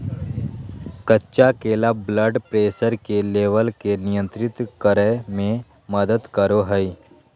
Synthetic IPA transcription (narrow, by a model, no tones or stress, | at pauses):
kətːʃakeːlabləɖpɾeːsəɾkeleːʋəlkenɪjə̃nt̪ɾɪt̪kəɾəmẽ | məd̪əd̪kəɾoɦəi